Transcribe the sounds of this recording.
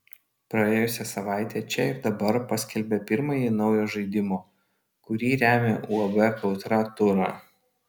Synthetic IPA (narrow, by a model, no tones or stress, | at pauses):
pɾɐeːjʊsʲɛsɐʋɑˑɪt̪ʲeːt͡ʃʲɛɪɾd̪ɐbɐɾpɐsʲkʲɛlʲbʲɛpʲɪɾmɐjinɒʊjoːʒɐɪd̪ʲɪmoː | kʊɾʲiːɾʲæːmʲḛʔuɐbɛkɐʊt̪ɾɑt̪ʊɾɑː